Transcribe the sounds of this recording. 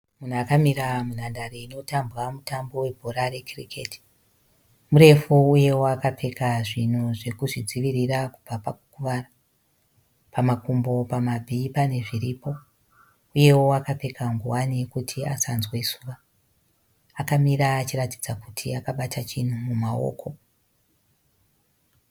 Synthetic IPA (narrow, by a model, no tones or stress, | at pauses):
mun̤uakamiɾamun̤andareino̞tambɣamutambo̞we̞bʱoɾaɾe̞kʰrikʰeti̥ | muɾe̞fuuje̞woakape̞kaʐin̤uʐe̞kuʐid͡ziʋiɾirakub͡vapaku̥kuʋaːra | pamakumbo̞pamabʱipane̞ʐiripo̞ | uje̞wo̞akape̞kʰaŋɡuwanikutʰia̰sanzwesuːʋa | akamiɾaːt͡ʃiratid͡zakutʰḭakaɓatʰat͡ʃin̤umumao̰ːkʰo̞